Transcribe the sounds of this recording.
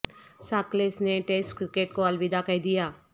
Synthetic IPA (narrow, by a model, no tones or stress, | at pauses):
saːklesneʈeːsʈkɾɪkeːʈ̚koɐlʋɪd̪akɐd̪ijaː